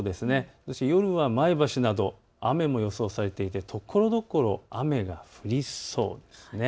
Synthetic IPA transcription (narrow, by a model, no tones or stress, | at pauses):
od̪e̞sɨne̞soɕt̪ejo̞ɾɯ̟βamaibaɕinad̪o̞ | ame̞mo̞jo̞so̞ːsaɾe̞t̪e̞it̪e̞t̪ʰo̞kʰːo̞ɾo̞d̪o̞ko̞ɾo̞ame̞ɡaɸɯ̟ɾʲiso̞̰ːd̪e̞sɨ̥ne